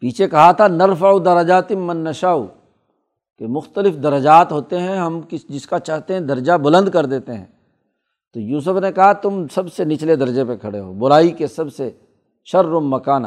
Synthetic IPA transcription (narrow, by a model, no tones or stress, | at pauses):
piːt͡ʃʰekɐɦat̪ʰanɐɾfɐud̪ɐɾɐd͡ʒaːt̪ɪmːɐnːɐʃaːṵ | kemʊxt̪əlɪfd̪ɐɾəd͡ʒaːt̪ɦoːt̪eɦɛ̃ɦɐmkɪd͡ʒɪskat͡ʃaːɦt̪eɦɛ̃d̪ɐɾd͡ʒabʊlə̃nd̪̚kɐɾd̪eːt̪eɦɛ̰̃ː | t̪oːjuːs̬ʊfnekɐɦat̪ʊmsɐbsenɪt͡ʃled̪ɐɾd͡ʒepekʰɐɽeɦo̰ːbʊɾaːikesɐbse | ʃɐɾːʊmːɐkaːn